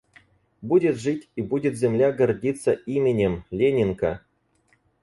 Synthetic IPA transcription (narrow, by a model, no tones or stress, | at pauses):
budʲɪt̪ʐɨtʲibudʲɪt̪zʲemlʲaɡərʲdʲit̪sːəʔimʲenʲemlʲenʲɪnkɐ̰